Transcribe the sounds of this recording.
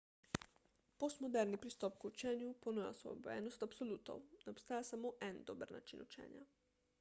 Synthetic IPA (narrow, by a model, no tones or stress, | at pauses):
post̪mɔd̪ɛɾnipɾist̪ɔpkut͡ʃɛːnjuponoja̰so̰bɛ̰ːnɔst̪apsolut̪o̰wnɛopst̪aːjasamoːʔɛnd̪oːbəɾna̰t͡ʃḭnut͡ʃɛ̰ːnja̰